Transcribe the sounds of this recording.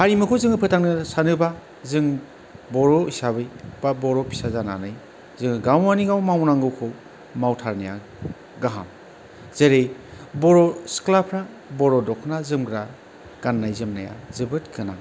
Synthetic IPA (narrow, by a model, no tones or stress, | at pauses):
haɾimɯkʰozɯŋɯpʰɯtʰaŋnɯsanɯba | zɯŋ | bɔɾɔisabɯjb̥abɔɾɔpʰi̥sazana̰nɯj | zɯŋɯɡawaniɡawmawnaŋɡɯwkʰo | mawtʰaɾnaja̰ | ɡaɦa̰m | z̥eɾejbɔɾɔsklapʰɾa | bɔɾɔdɔkʰnazɯmɡɾa | ɡ̥anːajzɯmnaja̰zɯbɯtkʰɯna̰